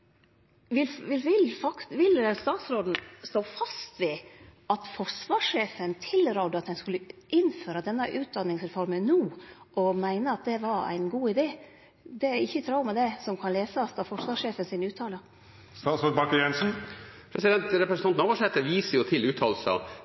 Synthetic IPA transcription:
ʋɪlʋɪlʋɪlfɑk̪ʋɪlst̪ɑːt̪sɾoːd̪n̩st̪oːfɑst̪ʋɛːɑt̪fɔʂʋɑːʂːeːfənt̪ʰɪlɾɑʊd̪əɑt̪̚d̪ɛnskʉlːəʔɪnføːɾəd̪ɛnːəʔʉːt̪̚d̪ɑnːɪŋsɾɛfɔɾmənnuː | ɔmæɪnəɑt̪̚d̪ɛʋɑɾæ̰ɪnɡuːɪd̪eː | d̪ɛæɪçːət̪ʰɾɑʊmɛd̪ɛsɔmkʰɑnleːsəɑsd̪ɑfɔʂʋɑːʂeːfənsɪnʉːt̪ʰːɑːlə | st̪ɑːt̪sɾoːd̪bɑkəjɛnsn̩pʰɾɛsɪd̪ɛnt̪ɾɛpɾəsnɑnn̩oːʋɔʂɛt̪ːəʋiːsəjʊt̪ʰɪlʉːt̪ʰɑːlsə̰

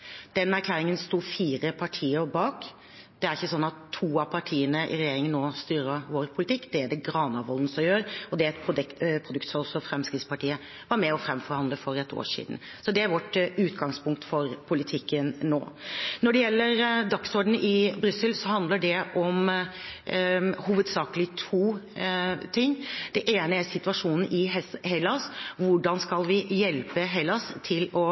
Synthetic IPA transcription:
d̪̥ɛnæɾkʰlæːɾɪŋənst̪uːfiːɾəpʰɑʈʰiːəɾbɑːk | d̪̥ɛæɾɪçːəsɔnːɑt̪ʰːuːɑpʰɑʈʰiːənəʔɪ̰ɾɛjeːɾɪŋənːoːst̪yːɾəʋoːɾpʰʊlɪt̪ʰɪkːd̪̥ɛæɖɛɡɾɑːnɑʋɔlnəsɔmjøːɾɔd̪ɛɛt̪pʰɾʊd̪pʰɾʊd̪ʉk̚t̪sɔɔsːɔfɾɛmskɾɪft̪spɑʈʰiːə | ʋɑɾmɛɔfɾɛmfɔɾhɑnd̪əfɔɾɛt̪ʰːo̰ːʂḭːd̪n̩ | sɔd̪ɛæɾʋɔʈːʉːt̪ɡɑŋspʰʊŋk̚t̪fɔɾpʰʊlɪt̪ʰɪkːənno̰ːnɔɖɛjɛlːəɾd̪ɑksɔɖɳ̩ɪbɾʏsəlsɔhɑnd̪ləɖɛʔɔm | huːʋəd̪sɑːkəlɪt̪ʰuː | t̪ʰɪŋːd̪̥ɛʔeːnəæɾsɪt̪ʉɑʂuːnn̩ʔɪhɛlːɑsʋʊɖɑnskɑlʋɪjɛlpəɦɛlːɑst̪ʰɪlɔ

